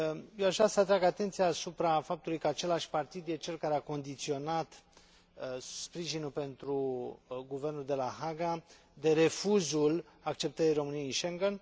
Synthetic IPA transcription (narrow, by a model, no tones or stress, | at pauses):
jewaʒɾasəat̪ɾaɡat̪e̞nt̪siaːsupɾafap̚t̪ulujkəat͡ʃe̞laʃʲpart̪id̪jet͡ʃe̞lkaɾeako̞nd̪it̪sio̞nat̪ | spɾiʒinulpe̞nt̪ɾuɡuve̞rnuld̪e̞laɦaɡa | d̪e̞ɾe̞fuzul | ak̚t͡ʃe̞p̚t̪əɾijro̞mɨnieinʃeŋɡen